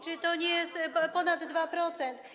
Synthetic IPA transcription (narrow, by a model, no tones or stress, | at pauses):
t͡ʂɪt̪ɔɲɛjɛspɔnad̪ːvapɾɔt̪sɛnt̪